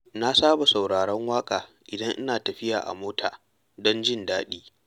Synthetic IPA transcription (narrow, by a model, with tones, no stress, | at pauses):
na˦saː˦ba˨sa˨wɽaː˨ɽɐ˦ŋwaː˦kʼaː˨ | ʔɪ˨dɐ˦ŋʔɪ˦naː˨tɐ˨ɸɪ˦jaː˨ʔa̰˨moː˦tʰa̰ː˨ | dɔ˦nd͡ʒɪ˦ndaː˦ɗiː˦